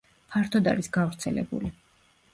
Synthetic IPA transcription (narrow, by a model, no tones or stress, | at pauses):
pʰaɾt̪ʰɔd̪aɾisɡavɾt̪sʰɛlɛ̰bṵli